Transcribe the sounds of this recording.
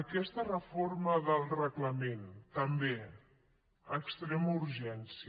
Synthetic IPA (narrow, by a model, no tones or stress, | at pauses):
əkɛst̪ərəfoɾməðəlˠrəɣləment̪əmbe | əkst̪ɾɛmuɾʒɛnsi